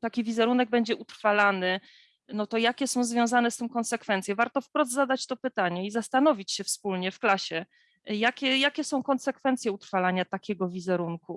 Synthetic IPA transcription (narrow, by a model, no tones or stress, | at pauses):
t̪akʲivʲizɛɾunɛɡ̚bɛɲd͡ʑɛʔut̪ɾfalanɘ | nɔt̪ɔjakʲɛsɔ̃w̃zvʲjɔ̃w̃zanɛst̪ɘmkɔnsɛkfɛnt̪sʲjɛvaɾt̪ɔfpɾɔd̪zad̪at͡ɕt̪ɔpɘt̪aɲɛizast̪anɔvʲit͡ɕɕɛfspulɲɛfklaɕɛ | jakʲɛjakʲɛsɔ̃w̃kɔnsɛkfɛnt̪sʲjɛut̪ɾfalaɲat̪akʲɛɡɔvʲizɛɾuŋku